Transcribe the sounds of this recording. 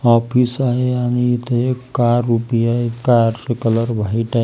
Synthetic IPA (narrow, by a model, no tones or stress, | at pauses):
ɔpʰisaɦejanit̪eekkaɾːupijaekaɾsekələɾbʱəiʈa